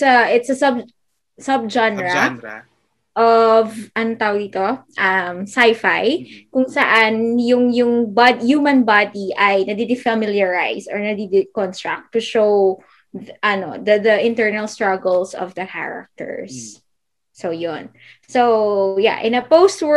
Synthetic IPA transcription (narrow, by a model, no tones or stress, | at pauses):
sɐʔɪt̪sɐsɐb̚ | sɐb̚d͡ʒãnɹɐ | ʔɔvʔɐnoŋt̪aːʔwoɡ̚d̪iːt̪oʔɐmsajfajkʊŋsɐʔanjʊŋjʊŋbad̪juːmɐ̃nbad̪iʔɐjnɐd̪ɪd̪ɪfɐmɪljɐɹajsɔ̰ɹnɐd̪id̪ɪkɔnst̪ɹa̰k̚t̪ːʊʃow | ʔɐno̰d̪ɐd̪ɐʔɪ̃nt̪ɛɹnɐlst̪ɹaɡɛlsɔ̰vd̪ɐkʰa̰ɹa̰k̚t̪ɛ̰ɹsː | ojon | soja̰ʔɪ̃nɐpoʊst̪wɛ